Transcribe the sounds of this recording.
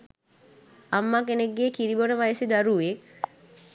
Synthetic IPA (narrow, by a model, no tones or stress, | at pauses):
amːakeneɡːeːkiɾibonəʋajəsed̪aɾuʋek